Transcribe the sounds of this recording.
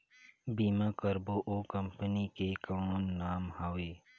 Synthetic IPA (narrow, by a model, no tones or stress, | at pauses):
biːmakəɾboʔoːkɐ̃mpənikekɔ̃nːaːmɦaːweː